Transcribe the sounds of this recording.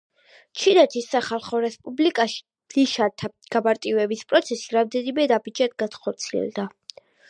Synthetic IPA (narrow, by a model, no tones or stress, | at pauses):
t͡ʃʰinɛt̪ʰisːaχalˠχɔɾɛspʼublikʼaʃi̥ | liʃaɾt̪ʰaɡ̥amaɾt̪ʼivɛbispʼɾɔt̪sʰɛsiɾamd̪ɛnimɛnabid͡ʒad̪ɡanχɔɾt̪sʰiɛ̰lˠd̪a